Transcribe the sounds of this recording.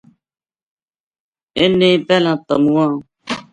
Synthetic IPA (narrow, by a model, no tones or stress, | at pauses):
enːẽbɛlãt̪a̰mũwã